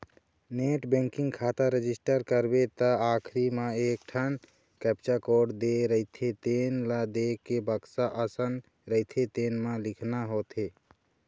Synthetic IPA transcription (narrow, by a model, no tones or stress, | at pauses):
neʈbẽŋkĩŋɡkʰat̪aɾed͡ʒisʈəɾkəɾbet̪əakʰɾimeekʈʰən | kɛpt͡ʃakoɖd̪eɾəit̪ʰet̪enlad̪ekebəksaʔəsən | ɾəit̪ʰet̪enmẽlikʰnaɦot̪ʰe